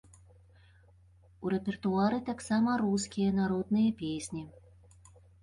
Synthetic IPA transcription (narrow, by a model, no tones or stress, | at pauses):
uɾɛpʲɛrt̪uaɾɨt̪aksamɐɾuskʲijɐnaɾɔd̪̚nɨjɐpʲesʲnʲi